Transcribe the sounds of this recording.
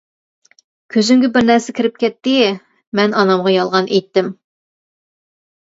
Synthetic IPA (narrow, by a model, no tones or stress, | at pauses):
kʲʰøzyŋɡʲɛbɪɾnæɾsɪkʲʰiɾɪp̚kʲɛt̪ːɪ | mɛnɑnɑmʁɑjɑlˠʁɑnʔejt̪ːɪm